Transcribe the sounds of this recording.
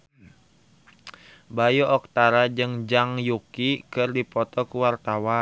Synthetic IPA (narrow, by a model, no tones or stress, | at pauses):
bajɔʔɔk̚t̪aɾad͡ʒɨŋd͡ʒaŋjukikɨrdipɔt̪ɔkuwart̪awa